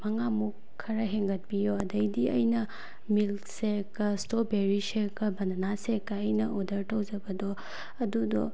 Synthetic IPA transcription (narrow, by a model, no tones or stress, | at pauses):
mɐŋamukʰːɐɾɐɦeŋɡɐt̚pijoɐdɐjdiɐjnɐ | mil | sekːɐstobeɾisekːɐbɐnɐnasekːɐːjnɐʔodɐɾtʰɐwd͡ʒɐbɐdɔ | ɐdudɔ